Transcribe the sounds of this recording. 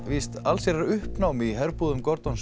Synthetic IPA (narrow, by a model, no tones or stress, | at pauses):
vist̪alsjɛɾaɾʏhpnawmiɦɛɾpuːðʏmkɔɾt̪ɔns